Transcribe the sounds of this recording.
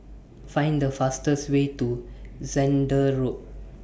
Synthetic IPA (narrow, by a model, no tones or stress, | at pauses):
fãɪ̃nd̪əfastəsweːtuzɛ̃nɖəɹo